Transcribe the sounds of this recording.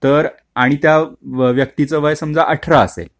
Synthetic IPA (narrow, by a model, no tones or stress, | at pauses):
t̪əɾ | aɽ̃it̪jaʋjək̚t̪it͡səʋəjsəmd͡zaʔəʈʰɾaːsḛ